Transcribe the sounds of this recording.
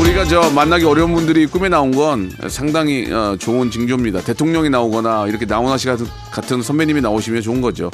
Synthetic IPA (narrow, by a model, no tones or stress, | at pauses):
uɾiɡat͡ɕʌmanːaɡeʌɾjʌunbundɯɾik͈ume̞naonɡʌnḛsʰaŋdaŋiʌt͡ɕoɯnt͡ɕɯŋd͡ʑomɲidate̞tʰoŋɲʌŋinaoɡʌnaiɾʌkʰe̞naonɦaɕ̬ʰiɡa | k͈atʰɯnsʰʌmbeɲiminaoɕʰimjʌt͡ɕoɯnɡʌd͡ʑo̰